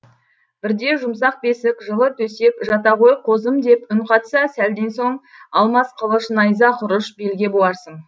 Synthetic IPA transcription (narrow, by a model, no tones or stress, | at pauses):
b̥ɪɾd̪e̞ʒʊms̬ɑq̚be̞sɪkʒəlˠət̪ʰɵse̞kʒɑt̪ɑʁo̞jqʰo̞zəmd̪e̞pʏɴqʰɑt̪sɑsæld̪e̞nso̞ɴ | ɑlˠmɑsqʰəlˠəʃnɑjzɑqʰʊɾəʃbe̞lɡʲe̞bolɑɾsəɴ